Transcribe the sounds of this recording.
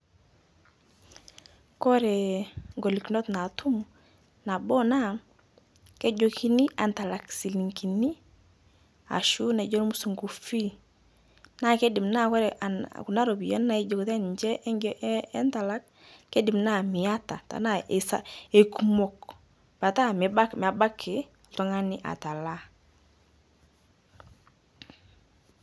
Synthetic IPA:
kɔ˦ɾɛ˨ŋɡo˨li˨kno˦t̪na˨tu˦m | na˨bɔ˦na˦ | ke˦d͡ʒo˦ki˦ni˦a˨nta˨la˨ksi˨li˨ŋki˨ni˦ | a̰˨ʃu˦na˨d͡ʒo˦ɾmu˦su˨ŋɡo˨fi˦ | na˦ke˦di˨mna˦kɛ˦ɾɛʔa̰ku˨na˦ɾo˨bi˨ja̰˦na˨i˦ɟo˨kte˦ɲd͡ʒɛ˦ʔɛ˦ŋɡɛ˦ʔɛ˦nta˨la˦kː | e˦di˨mna˦mi˨ja˦ta̰˨ta̰˨na˦˨e˨sa˦e˨ku˨mo˦k | pa˨ta˦mi˨ba˦m˨a˨ba˦kʰːe˨ | ltɔ˦ŋa˦ni˦ʔa̰˨ta˨la˦

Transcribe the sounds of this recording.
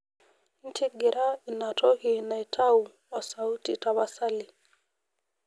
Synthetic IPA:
n̩˦tʰi˦ɡe˨ɾʔa˦i˨na˨to˦hi˨na˨i˨tʰa˦u˨ | a˨sa˨u˦ti˨ta˨βa˦sa˦li˨

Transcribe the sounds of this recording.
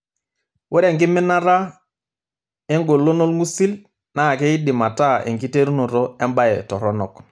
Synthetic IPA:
wʔɛ˦ɾe˨ŋkɪ˦mɪ˦na˦ɾa˦ | e˦ŋɡo˨lːo˦no˦lŋu˦si˦l | na˦˨kɛ˦ji˦dɪ˨ma˨ta˦˨ɛ̰˨ŋki˦te˦ɾnu˨ɾɔ˦ɛ˦mba˦jɛ̰˨tɔ˨ɾɔ˦nɔ˨k

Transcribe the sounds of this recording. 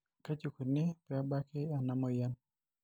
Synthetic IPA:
ka˦t͡ʃu˨ku˨nɪ˦pɛ˨a˦ba˦kɪ˦a˨na˨mɔ˦ja˦n

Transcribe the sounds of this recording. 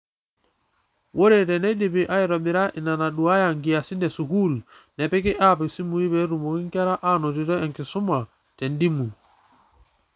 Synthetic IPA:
wʔo˦ɾe˨tɛ˨nɛ˦ɗi˨pi˨ʔa˦i˨ɾɔ˨ɓi˨ɾa˦ʔi˨na˨na˨ɗu˨a˦ja˨ŋɡi˨ja˨si˦ndɛ˨su˨ku˦˨lnɛ˨pi˦ki˦ʔa˦˨pi˨si˦mu˨i˦bɛ˦ɾu˨mo˨ki˦ŋka˦ɾa˦ʔa˦no˨ti˨tɔ˦ɛ˨ŋki˨su˦ma˨ | tɛ˨ndi˦mu˨

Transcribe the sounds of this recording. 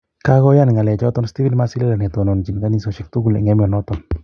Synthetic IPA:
ka˦ɣɔ˦ja˦n˨ŋa˨lɛ˨t͡ʃɔ˦t̪ɔ˦nsti˦fi˦nma˦sɪi˦lɛ˦la˨nɛ˨t̪ɔ˨nɔ˨nt͡ʃi˨nka˦ni˦sɔ˨ʃɪ˨k̚t̪u˦ɡu˨lɛ̰˨ŋɛ˦mjɔ˨nɔt̪ɔn

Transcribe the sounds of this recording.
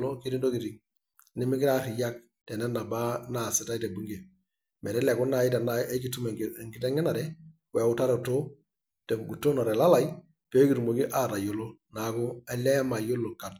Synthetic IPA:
lo˦ki˦di˦ndo˦ki˨ti˨ | nɪ˦mi˦kɪ˦ɾa˦ɾi˨ja˦k̚ | tɛ˨nɛ˦na˨ba˦na˨si˨ta˦te˨bu˦ŋɡe˨ | mɛ˨ɾɛ˦lɛ˨ku˦na˨jɪ˦ta˨nae˦ki˨tu˦m˨ŋɡi˦tɛ˦ŋɛ˦na˨ɾɛ˨ | wɛ˨ʊ˦ta˦ɾo˨to˦ | tɛ˨ɡu˨tːo˦nɔ˨ɾɛ˨la˦la˨j | pe˦ki˨tu˨mo˨ɡi˦ʔa˦˨ɾa˨jo˨lo˦na˨˦ku˦ɛ˨lɛ˦ma˨jo˦lo˨ka˨d

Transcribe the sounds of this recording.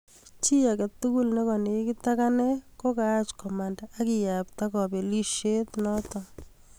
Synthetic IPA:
t͡ʃi˦a˨kɛ˨tu˦ku˦lne˦kɔ˨ne˨˦kɪ˦ta˦ka˦nɛ˦ko˦kaː˦t͡ʃkɔ˨mandaa˦kɪ˨jap̚ta˦kɔ˨be˨li˦ʃe˦tnɔ˦tɔ˨

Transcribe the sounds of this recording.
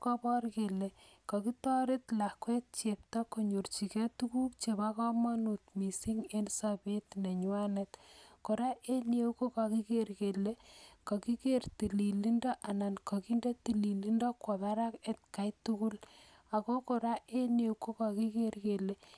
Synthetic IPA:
kɔ˦bɔ˦rke˨le˨ka˨ki˦tɔ˦ɾɪ˦tla˨kwɛ˦t̚t͡ʃe˨p̚ta˦ko˨ɲo˨rt͡ʃi˨kɛ˦tuku˦kt͡ʃe˨bakɔ˦ma˦nu˨tmi˨si˦ŋe˦nsabe˦tne˨ɲʊwa˦netko˨ɾa˦ʔe˦nje˦ko˦ka˨ki˦ke˦rke˨le˦ka˨ki˦kerti˨li˨li˦ndɔ˦ʔa˨na˨nkɔ˨ki˦nde˦ti˨li˨li˦ndɔ˦kɔ˨ba˦ɾa˦ke˦t̚ka˦jtu˦ku˦l | a˨ko˦ko˨ɾa˦ʔe˦ne˨wko˦ka˨ki˦ke˦rkele˨

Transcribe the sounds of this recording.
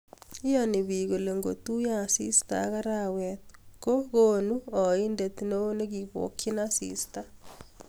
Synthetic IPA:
ɪ˦ɔ˦nɪ˨βi˨ɣo˨le˨ŋɡo̰˨t̪u˦ja˦sḭ˦sta̰ɣa˦ɾa˦wɛt̪̚ko˦ɣo˦nu˦ɔ˨i˦nde˨t̪no˦ne˦ɡi˨βo̰˨kɪ˦nasḭ˨sta˦

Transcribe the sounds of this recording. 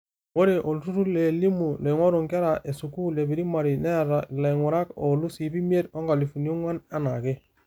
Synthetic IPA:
wo˦ɾe˨ʔo˨lu˨tu˦ɾu˦le˨li˦mu˨le˨ŋwo˦ɾu˨ŋka˦ɾa˨ʔe˨su˨ku˦le˨bi˨ɾi˦ma˨ɾi˨ne˦ɾale˨ŋʷu˨ɾa˦ko˨lu˦si˨bi˦mi˦e˦to˦ŋɡa˨li˨fu˨n˦o˦ŋwa˦na˦na˨ke˦

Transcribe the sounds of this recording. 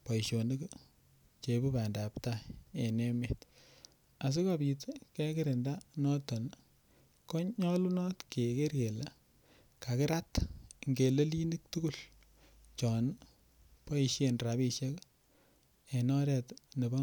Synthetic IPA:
pa˨i˨ʃjo˨ne˦k | t͡ʃe˨bu˦ba˨nda˨pta˦e˨ne˦met | a˨s̬u˦ka˦pi˨tke˦kɪ˦ɾe˨nda˦nɔ˦tɔ˨n | kɔ˦ɲɔ˦lu˦nɔ˦tke˨ke˦ɾke˨la˨ | ka˨kɪ˦ɾa˦tŋɡe˨le˦li˦ni˦k̚tu˦ku˦l | t͡ʃɔ˨n | pa˦i˨ʃje˨nra˨bi˨ʃe˦k | e˨nɔ˦ɾɛ˨tne˨ba˦

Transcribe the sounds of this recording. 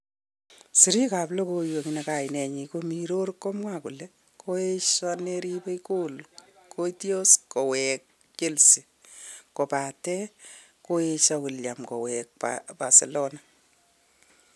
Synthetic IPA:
si˨ɾi˦ka˨plo˦ko˧jo˨ŋineka˨inɛ˨ɲikomi˨ɾo˦ɾkːo˦mwaku˨le˦ | kʰoeʃɔneɾipe˦jko˦lkʰo˦tjo˦sko˨wɛk̚ | t͡ʃe˦lsi˨ | ko˨pa˨tɛ˦ | ko˦e˧ʃɔ˧kulja˨mkɔ̰˨wɛk̚pa̰ba̰˨se˨lo˦na

